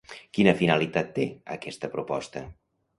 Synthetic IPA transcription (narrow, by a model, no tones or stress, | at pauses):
kinəfinəlit̪at̪ːeə̰kɛst̪əpɾupɔst̪ə